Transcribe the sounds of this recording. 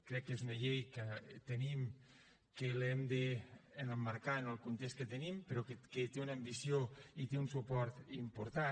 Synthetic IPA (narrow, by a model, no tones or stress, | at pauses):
kɾɛkːezunəʎejkət̪enim | kelɛmd̪eːnəmːaɾkaenəlˠkunt̪est̪̚kət̪ənimpeɾɔkeket̪eunəaːmbisjoit̪eunsupɔɾt̪impuɾt̪a